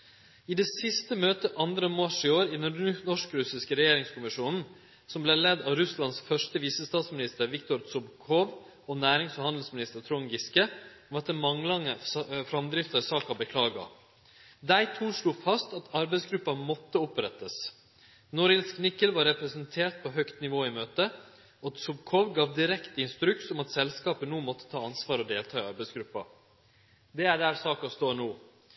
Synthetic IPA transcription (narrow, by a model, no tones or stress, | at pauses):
ɪd̪eːsɪst̪əmøːt̪əʔɑnd̪ɾəmɑʂɪoːɾɪd̪ɛnnɔʂkɾʉsɪskəɾɛjeːɾɪŋskʊmɪʂuːnn̩ | sɔmblɛlɛd̪ɑʋɾʉslɑnsfœʂʈəʋiːsəst̪ɑːt̪smɪnɪst̪əɾʋɪkt̪ɔɾsɔbkʰɔʋ | ɔnæːɾɪŋsfɔɾhɑnd̪l̩smɪnɪst̪əɾt̪ʰɾɔŋɡɪskəɔmɛt̪ːəmɑŋlɑŋəfɾɑmd̪ɾɪft̪əɾsɑːkɑbəkʰlɑːɡɑ̰ | d̪æɪt̪ʰuːʂluːfɑst̪ɑt̪ɑɾbæɪsɡɾʉpːɑmɔt̪ːəʊpɾɛt̪ːəs | nɔɾəsknɪkːəlʋɑɾːɛpɾɛsənt̪ʰeːɾt̪̚pʰɔɦœkt̪nɪʋoːɪmøːt̪ə | ɔɑt̪sʊbkʰɔʋɡɑːʋd̪ɪɾɛkt̪əɪnst̪ɾʉksɔmɑt̪sɛlskɑːpənuːmɔt̪ːə̥t̪ʰɑːɑnsʋɑːɾɔd̪eːlt̪ʰɑːɪɑɾbæɪsɡɾʉpːɑ̰ | d̪ɛæɖæːɾsɑːkɑst̪oːɳuː